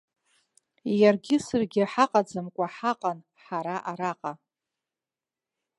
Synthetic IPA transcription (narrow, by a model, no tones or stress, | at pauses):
jarɡʲɪsɨrɡʲɪħaqʼad͡zɨmkʷʼaħaqʼan | ħaɾaʔaɾaqʼa